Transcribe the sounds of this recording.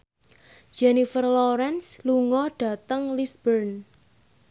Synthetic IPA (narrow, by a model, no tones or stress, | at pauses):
d͡ʒɛnifərlɔɾɛnsluŋɔɖ̥ä̤t̪əŋlisbərn